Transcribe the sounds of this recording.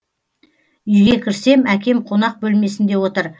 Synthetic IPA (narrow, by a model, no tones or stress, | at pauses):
ʏjɡʲe̞kʲʰɪɾse̞mækʲe̞mqʰo̞n̪ɑq̚bɵlme̞sɪnd̪e̞wo̞t̪əɾ